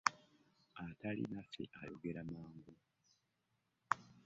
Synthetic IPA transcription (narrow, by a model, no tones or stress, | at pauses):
atalḭnasḛʔajo̞̰ɡe̞ɾamaːŋɡu